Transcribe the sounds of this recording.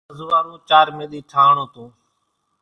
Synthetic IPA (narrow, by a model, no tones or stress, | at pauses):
zʊʋaːɾũːt͡ʃaːɾmẽːɗ̪iːʈʰaːɳoːt̪ũː